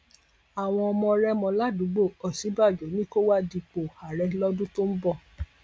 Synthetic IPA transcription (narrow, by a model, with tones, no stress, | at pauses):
a˨w̃ɔ̃˧ɔ˧mɔ̃˧ɾɛ˦mɔ̃˧la˦dũ˨˦ɡ͡bo˦˨ɔ˨si˨˦ba˦˨d͡ʒɔ˨˦nĩ˦ko˦wa˦di˧k͡po˨ha˨ɾɛ˧lɔ˦dũ˦to˦m̩˦bɔ˦˨